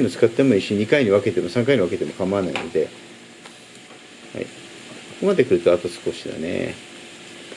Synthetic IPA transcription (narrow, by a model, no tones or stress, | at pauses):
imot͡sɨ̥kat̪ːe̞moiɕoɲ̟ikaiɲ̟iβ̞ake̞t̪e̞mo̞sãŋk̬aiɲ̟iβake̞t̪emo̞kamanaḭno̞̰d̪e̞ | ha̰ḭ | soko̞mad̪e̞kɯɾɯ̟t̪aːt̪osɨ̥ko̞ɕid̪a̰ne̞̰